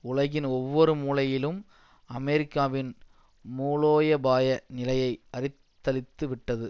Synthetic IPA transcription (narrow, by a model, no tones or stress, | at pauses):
ʊlɐɣɪnɔʋːɔɾɯmuːlɐjɪlɯm | ɐmɛɾɪkːaːʋɪn | muːloːjɐbaːjɐnɪlɐjɐɪɐɾɪt̪ːɐlɪt̪ːɯʋɪʈːɐðɯ